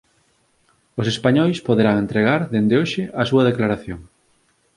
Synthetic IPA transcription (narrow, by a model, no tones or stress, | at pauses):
os̬espaɲɔjspoðeɾaŋẽnt̪ɾeɣaɾðend̪eoʃɪʔasuɐð̞eklaɾaθjoŋ